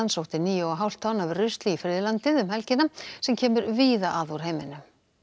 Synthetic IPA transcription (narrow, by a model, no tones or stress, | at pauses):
ansowht̪ɪniːjowaɦawl̥t̪ʰawnavrʏst̪liːfɾɪːðɪlant̪ɪðʏmhɛlcɪnasɛmcʰɛːmʏɾviːðaʔaːðuɾ̥ɦeːjmɪnʏ